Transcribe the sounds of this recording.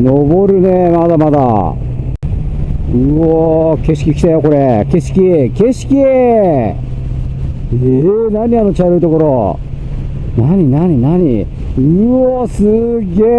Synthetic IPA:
nobo̞ɾɯ̟nemad̪amad̪a̰ | ɯoke̞ɕi̥kʲikʲi̥t̪ajoko̞ɾeke̞ɕi̥kʲieke̞ɕi̥kʲie | enaɲ̟iano̞t͡ɕaɾɯit̪o̞ko̞ɾo | naɲ̟inaɲ̟inaɲ̟ḭ | ɯosɨɡeː

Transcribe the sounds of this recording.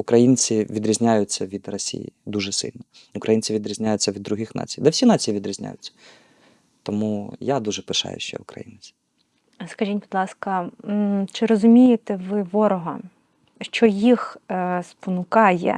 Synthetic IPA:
ʊkɾɐjinʲt͡sʲiʋʲid̪ɾʲizʲnʲajʊt͡sʲːɐʋʲid̪rɐsʲḭjḭd̪uʒɛsɪ̰lʲnɔ | ʊkɾɐjinʲt͡sʲiʋʲid̪ɾʲizʲnʲajʊt͡sʲːɐʋʲid̪ːɾʊɦixnɑ̰t͡sʲijd̪ɛwsʲinɑt͡sʲijiʋʲid̪ɾʲizʲnʲa̰jʊt͡sʲːɐ̥ | t̪ɔmujad̪uʒɛpɪʃɑ̰jʊ̰ʃt͡ʃɛ̰ʊkɾɐ̰jḭnɪt͡sʲi̥ | skɐʒʲinʲbid̪lˠɑskɐ | t͡ʃɪɾɔzʊmʲijet̪ɛʋɪʋɔɾɔɦɐ | ʃt͡ʃɔjixspɔnʊkɑjɛ̰

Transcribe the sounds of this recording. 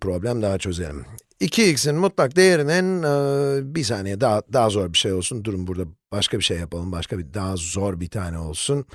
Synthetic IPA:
pɾo̞blʲæmd̪aɦat͡ʃʰø̞ze̞lʲḭm | icʰiicsinnmut̪lˠak̚d̪e̞jeɾinɪn | bisaːne̞jɛd̪ad̪aɦzo̞ɾbiʃejolˠsund̪uɾumbuɾd̪ab̥aʃkʰabiʃejːapalˠɯmbaʃkʰabid̪aɦazo̞ɾbit̪ʰaːnɛo̞lˠsun

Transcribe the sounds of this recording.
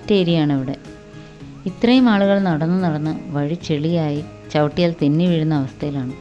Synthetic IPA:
tːeːɾijaːɳɐʋiɽe̞ | it̪rɐjumaːɭuɣɐɭnɐɽɐnːɨnɐɽɐnːɨʋɐɻit͡ɕeɭijaːji | t͡ɕɐʋʈːijaːlt̪inːiʋiɻunːɐːʋɐst̪ʰɐjilaːɳɨ

